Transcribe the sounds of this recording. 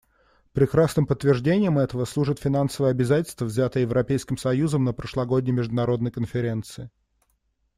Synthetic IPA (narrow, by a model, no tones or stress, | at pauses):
pɾʲɪkɾasnɨmpət̪ːvʲɪrʐdʲenʲɪjəmɛt̪əvəslˠuʐɨt̪fʲɪnansəvəjəɐbʲɪzatʲɪlʲst̪vəvzʲat̪əəjɪvɾɐpʲejskʲɪmsɐjuzəmnəpɾəʂlˠɐɡo̞dʲnʲəjmʲɪʐd̪ʊnɐɾo̞d̪nəjkənfʲɪɾʲe̞nt̪sɨɪ